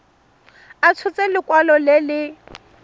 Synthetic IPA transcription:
at͡sʰʊt͡sʼɛlɪkwalɔlɪlɪ

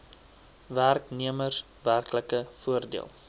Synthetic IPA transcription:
værkniəmərs | værkləkəfuərdḭəlˠ

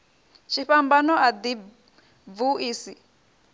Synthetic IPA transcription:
ʃiɸambanɔad̪i | vuʔiːsi

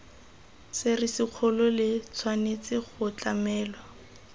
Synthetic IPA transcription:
sɪrɪsɪk͡xʰʊlɔlɪt͡sʰwanet͡sɪχʊt͡ɬamɛːlwa

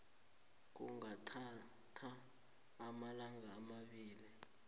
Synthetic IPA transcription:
k̬ṵŋatʰa | tʰaː | malaŋɡaːmaɓiːli

